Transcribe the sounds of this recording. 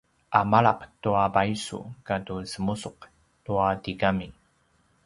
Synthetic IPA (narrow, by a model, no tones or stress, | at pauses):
ʔamaɭaqtuabaisṵkatusəmusʊq | tuatiɡami